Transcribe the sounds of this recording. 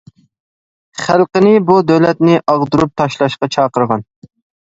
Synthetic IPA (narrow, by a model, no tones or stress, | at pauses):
χælˠqənɪbud̪ɛwlɛt̪nɪʔɑʁd̪uɾup̚t̪ʰɑʃlˠɑʃqɑt͡ʃʰɑːqəɾʁɑn